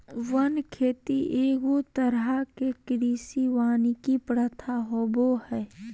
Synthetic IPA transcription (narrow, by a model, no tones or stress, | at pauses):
ʋənkʰeːt̪iʔeːɡot̪əɾakekɪɾiːsiʋaːnikipɾət̪ʰaɦobohɛː